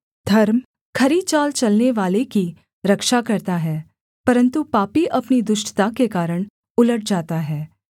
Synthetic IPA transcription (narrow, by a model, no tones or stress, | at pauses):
d̪ʱɐɾm | kʰɐɾit͡ʃaːlt͡ʃɐlneʋaːleki | ɾɐkʃakɐɾt̪aɦɛː | pɐɾə̃nt̪upaːpiʔɐpnid̪ʊʃʈt̪akekaːɾəɽ̃ | ʊləʈ̚d͡ʒaːt̪aɦɛː